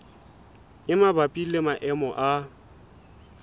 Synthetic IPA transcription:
ɪmabapʼilɪmaʔɛmɔʔa

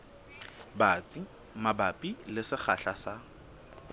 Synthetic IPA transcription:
bat͡sʼi | mabapʼilɪsɪχaɬasa

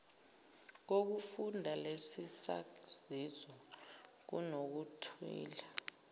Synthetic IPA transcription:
k̬ok̬ufundʱalesisa̰ | z̥izɔ | k̬ṵnok̬utʰwḭːla

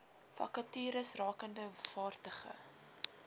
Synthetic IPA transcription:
fɐ̰kɐtiːɾəsrɑːkəndəv̥ɑːrtəχə̰

